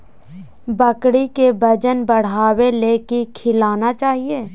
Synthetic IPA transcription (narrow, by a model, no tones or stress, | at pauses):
bɐkɽikebɐd͡ʒənbɐɽ̤aːweleːkikʰɪlaːnat͡ʃaːɦieː